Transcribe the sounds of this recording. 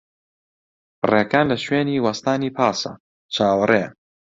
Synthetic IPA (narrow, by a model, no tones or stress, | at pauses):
breːkaːnlɐʃweːniːwɐst̪aːniːpʰaːsɐ̰ | t͡ʃʰaːwɐrˤʔe